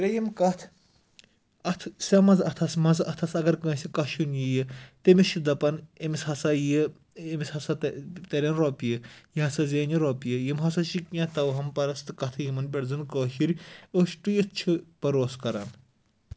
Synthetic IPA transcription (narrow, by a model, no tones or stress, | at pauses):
ɾʲejimkɐt̪ʰ | ɐt̪ʰsʲɐmɐzɐt̪ʰɐsmɐzɐt̪ʰɐsɐɡɐɾkɐ̃ːsʲikɐʃunjijət̪emiʃʰid̪ɐpɐnemishɐsaji | emishɐsat̪ɐɾʲɐnɾoːpijəjiɦɐsazeːniɾoːpijəjimɦɐsɐt͡ʃʰikjãt̪ɐwɦɐmpɐɾɐst̪ɨkɐt̪ʰɨjimɐnp̬ʲeɽzɨnkoːʃiɾʲoʃʈujist͡ʃʰɨpɐɾoːskɐɾɐ̰ːn